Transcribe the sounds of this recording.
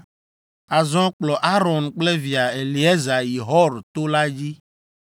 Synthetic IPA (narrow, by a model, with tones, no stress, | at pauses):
a˨zɔ̃˦k͡plɔ˨ʔa˦ɾɔ̃˨nk͡ple˦vi˨a˨e˨li˨e˦za˨ji˨ɦɔ˦ɾt̪o˦la˦d͡ʑi˦